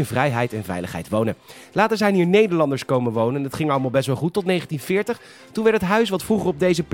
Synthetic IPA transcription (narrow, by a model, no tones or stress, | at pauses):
ɪnvrɛjɦɛjtɛnvɛ̰jləχɦɛ̰jtʋownən | laːtəɹzɛjniːɹnejdəɹlɑndəɹskowmənʋownənɑtχɪŋɑləmalˠbɛstʋɛlˠχutːɔtnejχəntinvɪːɹtəχ | tunʋɛɹtətɦœɥsʋɑtfuχəɔb̚dejzəp